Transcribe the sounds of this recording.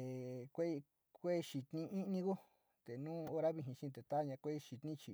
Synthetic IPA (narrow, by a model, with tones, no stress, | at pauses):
e˨kʷe˦i˧ | kʷe˦˧ʃi˨t̪nĩ˧ĩ˦˧nĩ˧ku˦ | t̪e˨nũː˦o˧ɾa˦βi˧ɦĩ˧ʃĩ˧t̪e˨t̪a˦ɲã˧kʷe˦˧ʃi˧t̪nĩ˦t͡ʃi˨